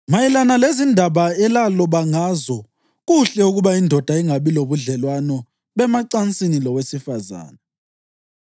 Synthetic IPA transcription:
majɛlanalezindʱaβaɛlalɔβaŋaːzɔ | ɣuɬɛuɣuβaindʱɔd̥ʱaiŋaβiloβuɮɛlwanɔ | βɛmaǀant͡sʼinilɔwesifaza̰ːna

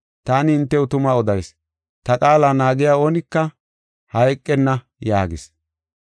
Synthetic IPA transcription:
t̪aːnɪɪnt̪ːɛʊt̪ʊmaɔd̪ɐjs | t̪ɐkʼaːlaːnaːɡɪjaːoːnɪkːɐ | hɐjkʼːɛnːɐ | jaːɡɪ̰s

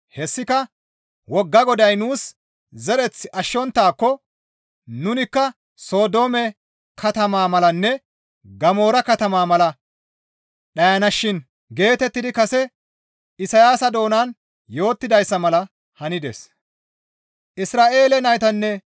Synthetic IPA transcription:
hɛsːɪkɐ | wɔɡːɐɡɔd̪ɐjnuːs | zɛɾɛt͡sːɪʔɐʃːɔnt̪ːaːkːɔ | nʊnɪkːɐ | so̞ːd̪o̞ːmɛ | kʰɐt̪ɐmaːmɐlɐnːɛ | ɡɐmo̞ːɾɐkɐt̪ɐmaːmɐlɐ | ɗɐjɐnɐʃːɪn | ɡe̞ːt̪ɛt̪ːɪd̪ɪkɐsɛ | ɪsɐjaːsɐd̪o̞ːnan | jo̞ːt̪ːɪd̪ɐjsːɐmɐlɐ | hɐnɪd̪ḛs | ʔɪsɾaːʔe̞ːlɛnɐjt̪ɐnːɛ

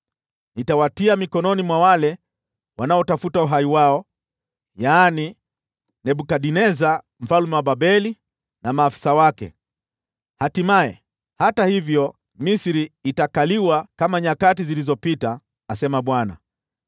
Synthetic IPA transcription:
nitawatiamikɔnɔnimwawalɛ | wanaɔtafutauɦaiwaɔ | jaːni | nɛɓukaɗinɛza | m̩falumɛwaɓaɓɛli | namaːfi̥sawakɛ̰ | hatimaɛ̰ | hatahivjɔ | misɾiːtakaliwakamaɲakatizilizɔpitaː | sɛmaɓwana̰

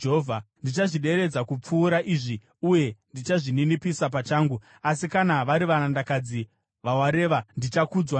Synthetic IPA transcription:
ɦovʱandit͡ʃaʐiɗe̞ɾe̞d͡zakup͡fuːɾaʔiːʐi | uje̞ndit͡ʃaʐininipisap̬at͡ʃaːŋɡu | asikanaʋaɾiʋanandakad͡zi | ʋawaɾe̞ːʋandit͡ʃakud͡zwa

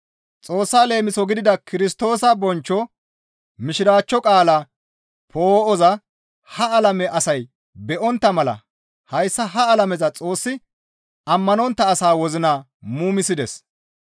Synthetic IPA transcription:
t͡sʼo̞ːsːale̞ːmɪsɔɡɪd̪ɪd̪ɐkɪɾɪst̪o̞ːsɐbɔnt͡ʃːɔ | mɪʃɪɾaːt͡ʃːɔkʼaːla | pʰoːɔzɐ | hɐɐlɐmɛʔɐsɐj | bɛʔɔnt̪ːɐmɐlɐ̰ | hɐjsːɐɦɐːlɐmɛzɐt͡sʼo̞ːsːɪ | ɐmːɐnɔnt̪ːɐːsaːwɔzɪna | muːmɪsɪd̪ɛs

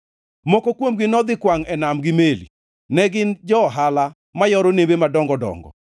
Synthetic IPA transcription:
mɔkokwomɡɪnɔd̪ɪkwaŋɛnamɡɪmelḭ | nɛɡɪnd͡ʒɔɦala | majɔɾonebemadɔŋɡɔdɔ̰ŋɡɔ̰

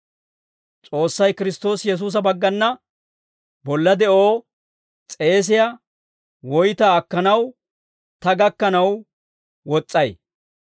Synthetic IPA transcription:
t͡sʼo̞ːsːɐjkɪɾɪst̪o̞ːsjɛs̬uːs̬ɐbɐɡːɐnːɐ | bɔlːɐd̪ɛʔoː | t͡sʼe̞ːs̬ɪja | wɔjt̪ɐːkːɐnɐw | t̪ɐɡɐkːɐnɐw | wɔt͡sʼːɐj

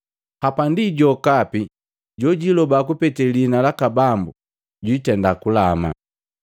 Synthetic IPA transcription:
hapandiɟɔkapi | ɟɔɟilɔbak̬upɛtɛlinalakabambu | ɟwitɛndakulama̰

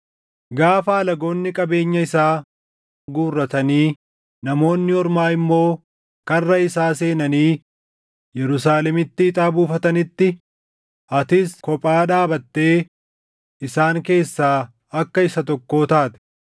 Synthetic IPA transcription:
ɡaːfaːlɐɡo̞ːnːɪkʼɐbe̞ːɲːɐɪsaː | ɡuːrːɐt̪ɐniː | nɐmo̞ːnːɪɔɾmaːɪmːo̞ː | kɐrːɐɪsaːse̞ːnɐniː | jɛɾʊsaːlɛmɪt̪ːɪːt̪ʼaːbuːfɐt̪ɐnɪt̪ːɪ | ʔɐt̪ɪskɔpʼaːᶑaːbɐt̪ːe̞ː | ɪsaːŋke̞ːsːaː | ɐkːɐɪsɐt̪ɔkːoːt̪aːt̪ɛ̥

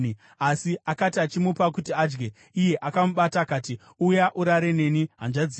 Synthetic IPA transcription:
i | asiakatiat͡ʃimupakutiad͡ʒɡe̞ | ije̞ʔakamuɓataːkaːti | ujaʔuɾaɾe̞ne̞ːniɦand͡ʒad͡zi

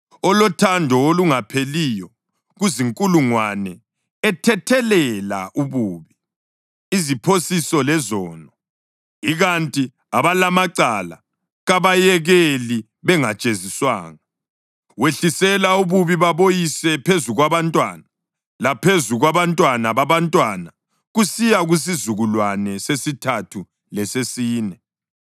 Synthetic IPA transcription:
ɔlɔtʰandʱɔoluŋapʰelijɔ | ɣuziŋkʼuluŋwanɛ | ɛtʰɛtʰɛlɛla̰ʔuβuːβi | izipʰosisɔlɛzɔːnɔ | iɣantʼi | aβalamaǀala | ɣaβajɛɣeli | βɛŋat͡ʃʼeziswa̰ːŋa | weɬisɛlauβuβiβaβojisɛpʰezuɣwaβantʼwaːna | lapʰezuɣwaβantʼwanaβaβantʼwana | ɣusijaɣus̬izuɣulwanɛsesitʰatʰu | lɛsesiːnɛ

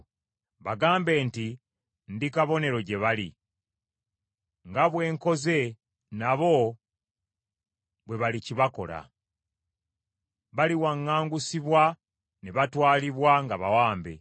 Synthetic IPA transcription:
βaɡaːmbe̞ːnti | ndikaβo̞ne̞ɾo̞ɟe̞βalḭ | ŋɡaβwe̞ːŋko̞ze̞ | naβo̞ | βwe̞βaliciβako̞̰la̰ | βaliwaŋːaːŋɡusiβwa | neβatwaːliβwaŋɡaβawaːmbe̞̰

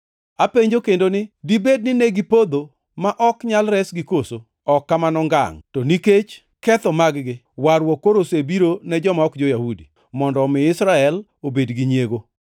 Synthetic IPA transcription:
apeɲd͡ʒokendonɪdibed̚nɪnɛɡipod̪o | maʔɔkɲalɾɛsɡɪkoso | ɔkːamanɔŋɡa̰ŋtoniket͡ʃ | kɛt̪ɔmaɡɡɪ | waɾwɔkːoɾosebiɾonɛd͡ʒɔmaɔkd͡ʒojahudi | mɔndɔmɪɪsɾaɛl | obedɡiɲjeɡo

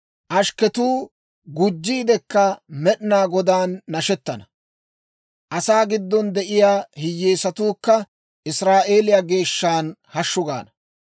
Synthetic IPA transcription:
ʔɐʃkɛt̪uː | ɡʊd͡ʒːiːd̪ɛkːɐmɛɗɪnaːɡɔd̪aːnːɐʃɛt̪ːɐnɐ | ʔɐsaːɡɪd̪ːɔnd̪ɛʔɪjaːhɪjːeːsɐt̪uːkːɐ | ʔɪsɾaːʔe̞ːlɪjaɡe̞ːʃːaːnhɐʃːʊɡa̰ːnɐ

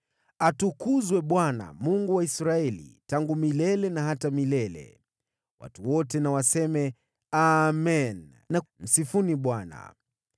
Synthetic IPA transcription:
atukuzwɛɓwana̰muŋɡuwaisɾaɛlḭtaŋɡumilɛlɛnaɦatamilɛlɛ̰ | wa̰tuwɔtɛnawasɛmɛ | amɛn | nam̩sifuniɓwana̰

